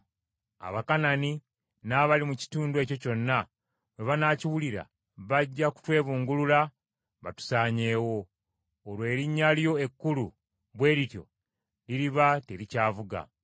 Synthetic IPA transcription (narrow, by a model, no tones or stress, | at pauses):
a̰βakanani | naβalimuci̥tuːnduweːco̞co̞nːa | βe̞βanaːciwuliɾa̰ | βaɟːaku̥twe̞ːβuːŋɡulula | βa̰tu̥saːɲe̞ːwo̞ː | lwe̞ːɾiɲːaljo̞e̞kːulṵ | βwe̞ːɾitjo̰ | liɾiβateɾicaːvuɡa̰